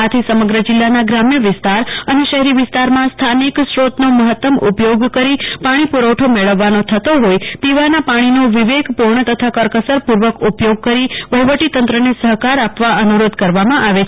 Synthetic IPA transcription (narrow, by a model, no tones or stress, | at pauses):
at̪ʰisəməɡɾəd͡ʒɪlːanaɡɾamjəʋɪst̪aɾəneʃəɦɛɾiʋɪst̪aɾmãst̪ʰaniksɾot̪noməɦət̪ːəmupjoɡkəɾipaɽ̃ipuɾəwʈʰomeɭəʋːanot̪ʰət̪oɦojpiʋanapaɽ̃inoʋɪʋeɡpuɾɳət̪ət̪ʰakəɾkəsəɾpuɾʋəkupjoɡ̚kəɾiʋəɦʋəʈit̪ə̃nt̪ɾənesəɦkaɾapʋaənuɾod̪kəɾʋamãʔaʋe